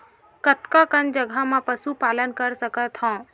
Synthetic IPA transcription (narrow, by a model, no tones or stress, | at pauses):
kət̪kakənd͡ʒəɡʱamãpəsupaːlənkəɾsəkət̪hɔ̃ː